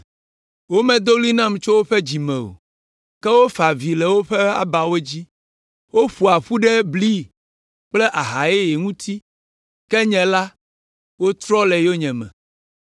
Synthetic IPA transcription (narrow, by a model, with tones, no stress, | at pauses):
wo˦mɛ̃˨d̪o˦li˦nã˦m˨t͡ʃo˦wo˦ɸɛ˦d͡ʑi˨mɛ̃˨o̰˨ | kɛ˦wo˦fa˨vi˨lɛ˨wo˦ɸɛ˦a̰˦ba˨wo˦d͡ʑi˦ | wo˦ɸu˨a˨ɸu˦ɖɛ˦bli˦ | k͡plɛ˦ʔa˨ɦa˨je˦je˨ŋũ˦t̪ʰi˦ | kɛ˦ɲɛ̃˨la˦ | wo˦t̪ɾɔ˦lɛ˨jo˦ɲɛ̃˨mɛ̰̃˨